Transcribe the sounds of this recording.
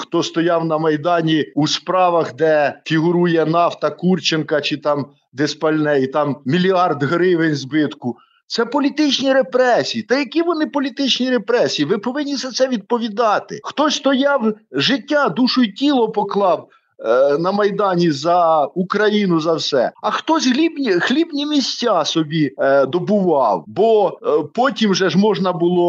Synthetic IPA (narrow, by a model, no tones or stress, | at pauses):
xt̪ɔst̪ɔjɑwnɐmɐjd̪ɑnʲiuspɾɑʋɐxd̪ɛfʲiɦʊɾujɛn̪ɑft̪ɐkurt͡ʃenkɐt͡ʃɪt̪ɑm | d̪espɐlʲnɛjit̪ɑmmʲilʲiɑrd̪ɦɾɪʋenʲzbɪt̪kʊ | t̪sɛpɔlʲit̪ɪt͡ʃnʲiɾepɾɛsʲijit̪ɐjɐkʲiʋɔnɪpɔlʲit̪ɪt͡ʃnʲiɾepɾɛsʲijiʋɪpɔʋɪnʲːisʲɛt̪sɛʋʲid̪̚pɔʋʲid̪ɑt̪ɪ̰xt̪ɔsʲst̪ɔjɑwʒɪtʲːad̪uʃʊjitʲilˠɔpɔklˠɑw | nɐmɐjd̪ɑnʲizɐukɾɐjinʊzɐwsɛ̰ɐxt̪ɔsʲɦlʲibnʲixlʲibnʲimʲisʲtʲːasɔbʲid̪ɔbʊʋɑwbɔpɔtʲimʒɛʒmɔʒnɐbʊlˠɔ